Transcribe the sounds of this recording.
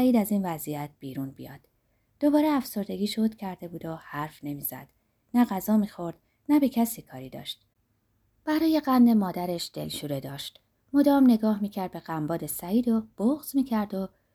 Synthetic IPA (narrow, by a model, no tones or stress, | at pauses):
iːd̪æziːnvæzijæt̪̚b̥iːɾuːnbḭjɒ̰ːd̪̥ː | o̞bɒːɾeæfso̞ɾd̪e̞ɡiːʃod̪cʰæɾd̪e̞buːd̪ohæɾfne̞miːzæ̰d̪̥ | næɣæzɒːmiːxo̞ɾd̪̥ | næbe̞cʰæsiːkʰɒːɾiːd̪ɒ̰ːʃt̪̚ | b̥æɾɒːje̞ɢænde̞mɒːd̪æɾe̞ʃd̪̥e̞̰lʃuːɾe̞d̪ɒːʃt̪ | mod̪ɒːmne̞ɡɒːhmiːcʰæɾd̪̚be̞ɣæmbɒːd̪e̞sæiːd̪o̞b̥oɣz̥miːcʰæɾd̪o̞